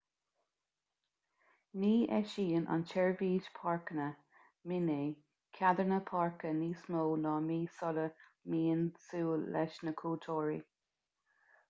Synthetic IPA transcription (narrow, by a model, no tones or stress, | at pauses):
niːʔɛʃiːənʔa̰nt͡ʃʰɛɹviːdpʰɑɹkənə | mɪneː | kʰad̪əɹnəpʰɑɹkəniːsmoːnɑːmiːsɔləmiːənsuːlɛʃnəkʰuːt̪ʰoːɹḭ